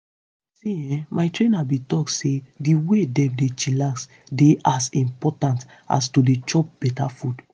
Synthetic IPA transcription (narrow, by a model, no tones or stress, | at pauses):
siɛ̃maɪtɹẽnabĩtɔksediwedɛ̃mdet͡ʃilas | deʔasĩmpɔtãnt | a̰stodet͡ʃɔp̚b̥ɛtafud